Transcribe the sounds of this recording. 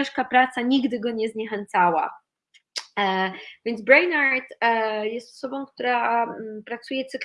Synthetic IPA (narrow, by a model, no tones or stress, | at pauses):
ɛʂkapɾat̪saɲiɡd̪ɘɡɔɲɛzɲɛxɛnt̪sawa̰ | vʲjɛnd̪zbɾajnaɾt̪jɛst̪ɔ̥sɔbɔ̃k̚t̪uɾapɾat̪sujɛt̪sɨk